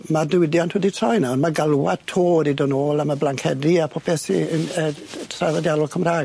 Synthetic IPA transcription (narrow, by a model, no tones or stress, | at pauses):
madɪwɪdjantʰhɛditʰrɔjnaɔnmaɡalˠwatʰoːɾidɔnoːlˠamablaŋkʰɛdiapʰɔpʰɛsiənətʰravadjalɔlˠkʰəmraː